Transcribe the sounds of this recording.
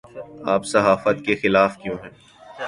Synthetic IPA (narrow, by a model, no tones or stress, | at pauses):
aːpsɐɦaːfət̪kexɪlaːfkjõːɦɛː